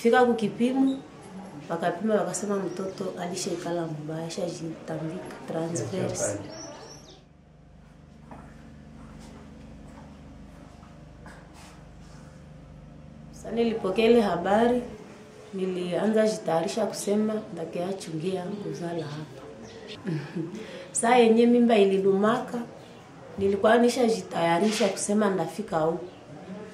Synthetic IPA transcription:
fikakukipimu | wakapimaβakasɛmam̩tɔtɔʔaliʃakalamuɓajaʃaʒitambikḁtɾansfɛɾs | sanilipɔkɛilɛhaɓaɾi | nilianzaʒitajaɾiʃaku̥sɛmandakɛjat͡ʃuŋɡiakuzalahapḁ | sajɛɲɛmimbaililumaka | nilikwaniʃaʒitajaɾiʃaku̥sɛmandafikauku

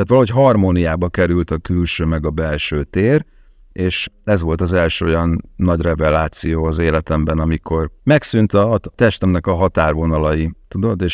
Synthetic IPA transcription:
aːt̪ʋɒlɒɦo̞cɦɒrmonijaːbɒkɛɾylt̪ɒkylʃøːmɛɡɒbɛlʃøːt̪eːr | eːʃɛzʋo̞lt̪ɒzɛlʃøːo̞jɒnːɒɟrɛvɛlaːt̪sijoːɒzeːlɛt̪ɛmbɛnɒmiko̞rmɛksynt̪ɒt̪ɛʃt̪ɛmnɛkɒɦɒt̪aːrvo̞nɒlɒjit̪ud̪o̞d̪eːʃ

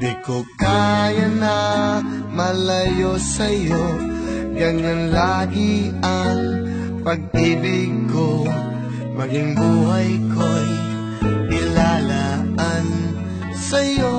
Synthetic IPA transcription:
d̪ikokajɐnɐ | mɐlɐjosɐjo | ɡɐŋanlaːɡɪ | ɐaŋ | pɐɡ̚ʔibɪko | mɐɡɪŋbuːɦajkoj | kɪlalaʔan | sɐjo

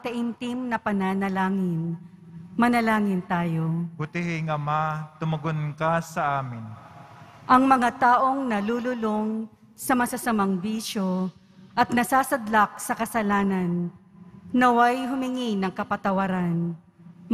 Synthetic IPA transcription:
t̪ɐʔɪnt̪ɪmnɐpɐnɐnɐlaːŋɪn | mɐnɐlaːŋɪnt̪aːjo̞kʊt̪ɪɦɪŋɐmat̪ʊmɐɡonkasɐʔaːmɪn | ʔɐŋmɐŋat̪aːʔo̞ŋnɐlulʊloŋ | sɐmɐsɐsɐmaŋbiːʃo | ʔɐt̪̚nɐsaːsɐd̪lak̚sɐkɐsɐlaːnɐnː | ɐwajɦʊmɪŋinɐŋkɐpɐt̪ɐwɐɾan

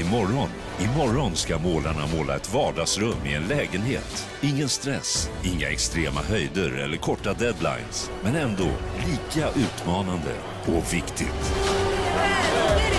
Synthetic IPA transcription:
ɪmɔɾɔn | ɪmɔɾɔnskamoːlaɳamoːla̰ɛt̪vɑːɖɑːɡsɾɵmːɪɛnlɛːɡənhḛːt̪ | ɪŋːənst̪ɾɛsɪŋːa̰ɛkst̪ɾeːma̰ɦœjd̪əɾɛ̰lːəɾkʰɔʈːad̪ɛd̪la̰jnsmɛnɛnd̪o̰ːliːkaʔʉ̟ːt̪mɑːnand̪ə̰ɔvɪkt̪ʰɪɡt̪

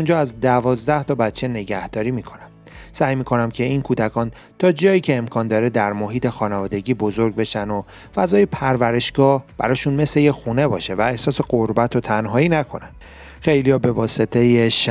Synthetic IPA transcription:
und͡ʒɒːæzd̪ævɒːzd̪æht̪ʰɒbæt̪t͡ʃʰe̞ne̞ɟæhd̪̥ɒːɾiːmiːkʰo̞næm | sæːjmiːkʰo̞næmcʰe̞inkʰuːd̪ækʰɒːn | t̪ʰɒːd͡ʒɒːjiːcʰe̞ːmkʰɒːnd̪ɒːɾed̪æɾmoɦiːt̪ʰe̞xɒːnevɒːd̪e̞ɟiːbozo̞ɾɡ̚be̞ʃæno̞ | fæzɒːjepʰæɾvæɾe̞ʃɡ̥ɒːhb̥æɾɒːʃunme̞slejexune̞bɒːʃe̞væehsɒːse̞ɢoɾbæt̪ʰot̪ʰænɦɒːiːnækʰo̞næn | xejlijɒːbe̞vɒːse̞t̪ʰejeʃ

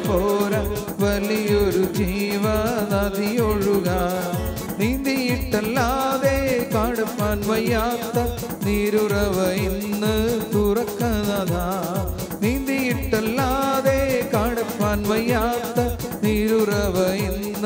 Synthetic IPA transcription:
poɾɐ | ʋɐlːijoɾud͡ʑiːʋɐnɐd̪ʱijoɻuɣɐ | niːnd̪ijiʈːɐlːaːðekaːɽɐpːaːnʋɐjːaːt̪ːɐ | niːɾurɐʋɐjinːɨt̪urɐkːɐnɐðʰʱa | niːnd̪ijiʈːɐlːaːðekaːɽɐpːaːnʋɐjːaːt̪ːɐ | niːɾurɐʋɐjinː

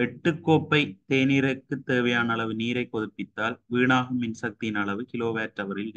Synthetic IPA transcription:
ɛʈːɯkːoːpːɐɪt̪eːniɾɐkːɯt̪ːeːʋɐjaːnɐɭɐʋɯniːɾɐɪkːɔðɯpːɪt̪ːaːlʋiːɳaːɣɯmɪnsɐk̚t̪ɪjɪnɐɭɐʋɯkɪloːʋeːʈːɐʋɐɾɪl

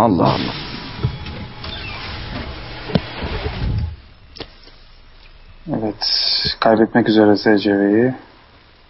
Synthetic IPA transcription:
ɑlˠːɑ̰ːhlˠːa̰ | ɛvɛt̪kʰajbɛt̪mɛcyzeɾɛsɛd͡ʒɛveji

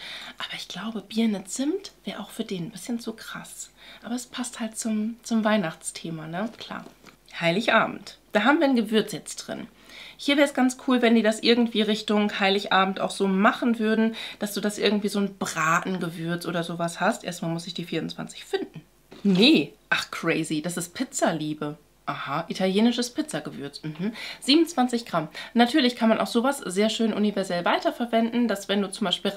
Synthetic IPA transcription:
ʔaːbɐɪçɡ̥laʊbəbiːɐnɪt͡sɪmtv̥ɛːɐʔaʊxfyːɐdeːnn̩bɪsçənt͡sukʁ̥a̰sʔaːbɐɛspʰasthalt̚t͡sʊmt͡sʊmvaɪnaχt͡stʰeːmanəkʰl̥a̰ːɐ | haɪlɪçʔaːbm̩td̥aːɦaːbm̩viːɐnɡəvʏɐt͡sjɛt͡std̥ʁɪ̰n | hiːɐvɛːɐəsɡ̥ant͡skʰuːlvɛndiːdasʔɪɐɡŋ̩tv̥iːʁɪçtʊŋhaɪlɪçʔaːbm̩ta̰ʊxz̥oːmaχn̩vʏɐdn̩d̥asd̥uːdasʔɪɐɡŋ̩tv̥iːzoːnb̥ʁaːtn̩ɡəvʏɐt͡sʔoːdɐzoːvashastʔeːɐstmaːlmʊsɪçd̥iːfiːɐʊnt͡sv̥a̰nt͡sɪ̥çfɪndn̩ | nəʔaχkʁ̥ɛɪzid̥asɪst̚pʰɪt͡sɐliːbə | ʔahaʔitʰaljeːnɪʃəspʰɪt͡sɐɡəvʏɐt͡sm̩hm̩z̥iːbmnt͡sv̥ant͡sɪçɡ̥ʁamnatʰyːɐlɪçkʰanmanʔa̰ʊxz̥oːvasz̥eːɐʃøːnʔunivɛɐzɛlvaɪtɐfɛɐvɛndn̩d̥asv̥ɛnduːt͡sʊmbaɪʃpiːl

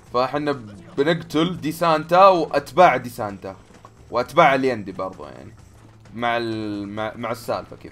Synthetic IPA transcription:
faʔħɪnːabnɪɡt̪ʊld̪isaːnt̪awʔat̪baːʕd̪isaːnt̪a | wʔat̪baːʕaljand̪ibɑɾˤðˤṵja̰ʕni | maʕɪmaʕmaʕɪsːa̰ːlfakḛ

